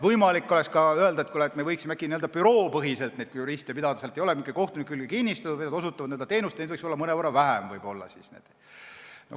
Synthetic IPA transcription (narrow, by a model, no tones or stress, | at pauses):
vɤjmɑlikːˑolɛkskɑøeld̪ɑet̪kulɑet̪mevɤjksimækːˑiniøld̪ɑpyɾo̞ːpɤɦise̞lt̪ned̪̥kujuɾist̪ijpid̪ɑd̪ɑselt̪ejoemikːˑɑiko̞ht̪unikːˑkylɡ̥ekinʲːist̪ɑt̪uenɑd̪osut̪ːˑɑvɑd̪neːld̪ɑt̪e̞ːnust̪ned̪vɤikso̞lːɑmɤnevɑrːɑvæɦæmvɤjb̥o̞lːɑ̰sisnḛd̪̥ | no